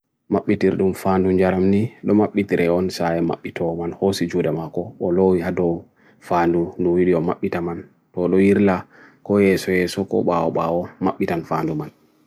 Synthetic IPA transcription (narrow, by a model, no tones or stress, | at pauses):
maɓːitiɾɗumfaːnduɲd͡ʒaɾamniɗɔmaɓːitiɾɛɔnsajɛma̰ɓːitʰɔmanhosid͡ʒudamakɔɔlowihadɔw | fandunduwiɗiɔmaɓːitaman | tɔɗɔjiɾla | kɔjɛsɔjɛsɔkɔ̰ɓawɔɓawɔmaɓːitanfaːnduman